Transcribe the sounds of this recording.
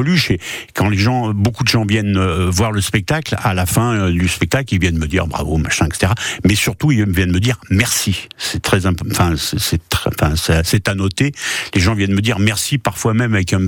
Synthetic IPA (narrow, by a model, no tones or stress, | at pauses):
lyʃekɑ̃leʒɑ̃bokud̪əʒɑ̃vjɛnøvwaʁləspɛk̚t̪aklalafɛ̃ød̪yspɛk̚t̪aklilvjɛnməd̪ḭʁbʁa̰vo̰ma̰ʃɛ̃ɛkse̥t̪eʁamɛsyʁt̪uilvjɛnməd̪iʁmɛʁsisɛt̪χɛzɛ̃pɑ̃fɛ̃sɛsɛt̪χɛɑ̃fɛ̃sɛsɛt̪anɔt̪eleʒɑ̃vjɛnməd̪iʁmɛʁsipaʁfwamɛmavɛkɛ̃